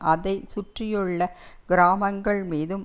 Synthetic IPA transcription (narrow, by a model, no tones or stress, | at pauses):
ʔɐðɐɪsʊʈrɪjɯɭːɐɡɪɾaːmɐŋɡɐɭmiːðɯm